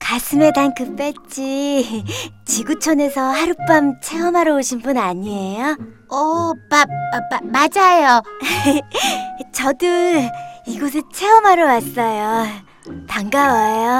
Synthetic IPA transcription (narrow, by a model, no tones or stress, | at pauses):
kasʰɯme̞dankɯp͈et͡ɕ͈i | t͡ɕiɡut͡ɕʰʌne̞sʰʌhaɾup͈amt͡ɕʰeɦʌmaɾʌoɕʰinbunaɲiejo | ʌpamad͡ʑajo | t͡ɕʌdu | iɡʌs̬ʰɯt͡ɕʰeɦʌmaɾʌwas͈ʌjo | taŋɡawajo